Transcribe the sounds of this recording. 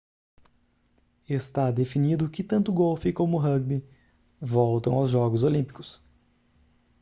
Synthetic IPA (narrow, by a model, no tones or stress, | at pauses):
est̪ad̪efinid̪ʊkɪt̪ɐ̃nt̪ʊɡowfɪkõmʊɦɐɡ̚bi | vɔwt̪ɐ̃w̃awzʒɔɡʊzolĩpi̥kʊ̥s